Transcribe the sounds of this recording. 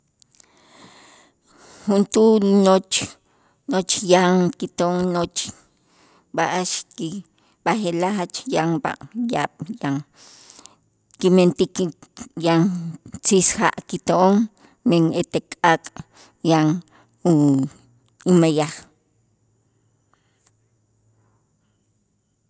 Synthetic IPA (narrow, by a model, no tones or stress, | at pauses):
χunt̪uːlnot͡ʃ | not͡ʃjaŋkit̪ooŋnot͡ʃ | ɓaʔaʃki | ɓ̥aχelaχat͡ʃjaŋɓa̰ʔja̰ɓ̥jaŋ | kiment̪ikjaŋt͡sisxa̰ʔkit̪oʔoŋ | meŋet̪ekʼakʼ | jaŋ | u | umejaχ